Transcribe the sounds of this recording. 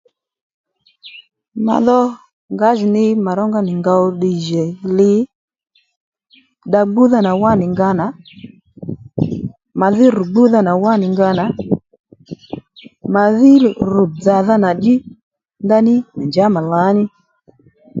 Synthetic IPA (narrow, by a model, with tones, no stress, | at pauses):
ma̰˨ðɔ˦ | ŋɡa˨˦ʒu˨nɪ˦ma˨ɾɔ˦ŋɡa˦nɪ˨ŋɡa˧ɔ˦˧ɗi˨ʒɛ˨lɪ˨˦ | ɗa˧ɡ͡bu˦ða˦na˨wa˦nɪ˨ŋɡa˧˦na˨˦ | ma˨ðɪ˦ɾu˨ɡ͡bu˦ða˦na˨wa˦nɪ˨ŋɡa˧na˨ | ma˨ðɪ˦ɾu˨d͡za˨ða˦na˨d͡ʒi˦ | ŋɡa˦nɪ˦na˨nd͡ʒa˨˦ma˨la˨˦nɪ˦